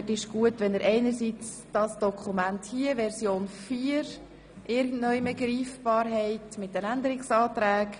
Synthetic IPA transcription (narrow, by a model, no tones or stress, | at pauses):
tɪʃɡ̥uətʋɛnəɾʔɛɪnəɾsit͡s | d̥ɑsd̥ɔkʰumænthiəʋɛɾsjoːnfiːɾ | ʔɪɾɡn̩tnœʏməɡɾiːfb̥ɑːɾɦɛɪtmɪt̚d̥ɛnændəɾɪksɑːt̪ɾæːk